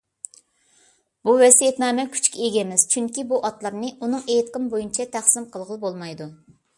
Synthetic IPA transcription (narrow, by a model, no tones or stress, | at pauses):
buvɛsijet̪mɛːmɛkʲʰy̥t͡ʃkʲɛeɡʲɛmɪz̥t͡ʃʰyŋkʲibuʔɑt̪lˠɑɾnɨʔunɨŋejt̪qəmbojynt͡ʃʰɛt̪ʰæχsɪmqʰəlˠʁəlˠbolˠmɑjd̪u